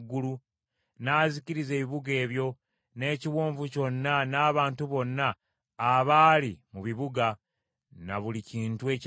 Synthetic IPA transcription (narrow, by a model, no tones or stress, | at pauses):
ɡulu | naːziciɾize̞ːβiβuɡe̞ːβjo̞ | ne̞ːciwoːɱvuco̞nːanaːβaːntuβo̞nːaː | βaːlimuβiβuɡa | naβuliciːntue̞ːc